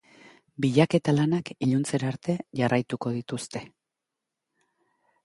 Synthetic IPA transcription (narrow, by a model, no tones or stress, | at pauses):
biʎake̞t̪alanakiʎunt͡seɾaɾt̪e̞ʝarajt̪uko̞ð̞it̪ust̪e̞